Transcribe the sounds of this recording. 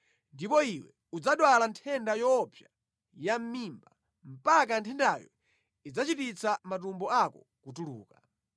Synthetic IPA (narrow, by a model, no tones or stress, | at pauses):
ndipɔiwɛ̰ | ud͡zaɗwalantʰɛndajɔpʰja | jam̩mimba | m̩pak̬antʰɛndajɔ̰ | id͡zat͡ʃitit͡samat̬umbɔakɔ | kutuluːka